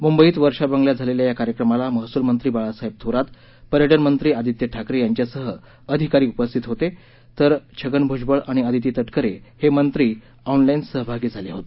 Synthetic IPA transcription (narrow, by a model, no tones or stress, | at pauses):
mumbəiːt̪ʋəɾʂabəŋɡljad͡zʱaleljajakaɾjəkɾəmalaməɦsulmənt̪ɾiːbaɭasaɦib̚t̪ʰoɾat̪ | pəɾjəʈənmənt̪ɾiːad̪ʱit̪jəʈʰakɾejaɲt͡ɕjasəɦə | əd̪ʱikaɾiːupəst̪ʰit̪ɦot̪e | t̪əɾt͡ɕʰəɡənbʱud͡ʑbəɭaɽ̃iad̪ʱit̪̬iːt̪əʈkəɾehemənt̪ɾiː | aunlainsəɦbʱaɡiːd͡zʱaleɦot̪e